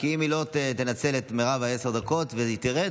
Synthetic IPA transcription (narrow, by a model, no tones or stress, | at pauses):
kiimilo̞t̪et̪enat͡se̞let̪meʁavae̞se̞ʁd̪ako̞tveit̪iʁe